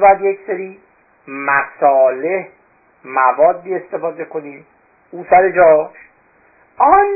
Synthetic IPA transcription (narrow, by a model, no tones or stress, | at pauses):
bɒːjæd̪jecseɾiː | mæsɒːleh | mævɒːd̪ːiːe̞st̪e̞fɒːd̪e̞kʰo̞niːm | uːsæɾed͡ʒɒːʃ | ɒn